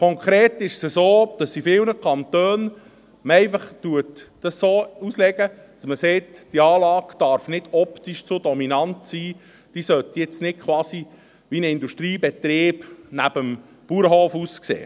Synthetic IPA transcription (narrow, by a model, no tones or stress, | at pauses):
kʰɔŋkʰɾeːt̪ɪʃsəsoːd̥ɑsifɪlnəkʰɑnt̪øːn | məɛɪfɑχtuətd̥ɑsːoːuslɛɡə | d̥ɑsməsɛːtd̥iɑːlɑːɡ̥d̥ɑɾfnɪd̥ɔpt̪iʃt͡sodɔminɑnt̪siː | d̥iːsœt̪jɛt͡snɪt̚kʰʋwɑːsi | ʋinəɪnd̪uʃtɾiːbɛt̪ɾeːb̥næb̥əm | b̥uɾəɦoːfusksḛː